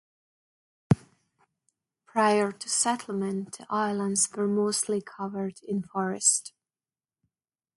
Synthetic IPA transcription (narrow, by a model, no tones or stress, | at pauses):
pʰɹ̥aɪə˞tʰɨsɛɾl̩ˠmə̃nðiʔaɪlˠə̃ndzwə˞moʊstʰˡlikʰʌvə˞dɪ̃nfɔɹɨst